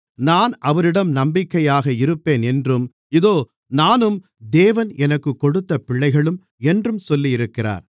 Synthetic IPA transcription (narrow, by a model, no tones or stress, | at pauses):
naːnɐʋɐɾɪɽɐmnɐmbɪkːɐjaːɣɐɪɾɯpːeːnɛndrɯm | ɪðoː | naːnɯm | d̪eːʋɐnɛnɐkːɯkːɔɽɯt̪ːɐpɪɭːɐɪɣɐɭɯm | ɛndrɯmsɔlːijɪɾɯkːɪra̰ːɾ